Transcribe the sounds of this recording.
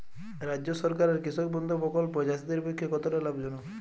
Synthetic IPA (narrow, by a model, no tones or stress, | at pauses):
ɾad͡ʒɔsɔɾkaɾeɾkɾisɔk̚bɔnd̪ʱɔpɔkɔlpɔd͡ʒasid̪iɾbekʰːjɔkɔt̪ɔɾalabd͡ʒɔnu